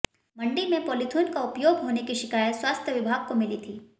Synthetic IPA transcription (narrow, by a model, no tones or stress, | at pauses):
mɐ̃ɳɖimẽpoːlɪt̪ʰuːnkaʊpjoːɡɦoːnekiʃɪkaːjət̪swaːst̪ʰjəʋɪbʱaːɡ̚komɪlit̪ʰiː